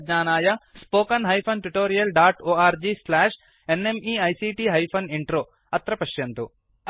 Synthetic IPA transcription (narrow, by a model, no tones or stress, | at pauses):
ɲaːnaːjɐspoːkɐnɦɐjpʰɐnʈuʈoːɾijɐlɖaːʈoːaːɾd͡ʒiːslɛːʂ | enemiːɐjsiːʈiːɦɐjpʰɐniɳʈɾoː | ɐt̪ɾɐpɐʃjɐnt̪u